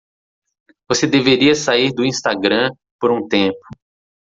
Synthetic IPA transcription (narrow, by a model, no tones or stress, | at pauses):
vosed̪eveɾiɐsaiɾd̪ʊĩst̪aɡɾɐ̃ | poɾũt̪ẽpʊ̥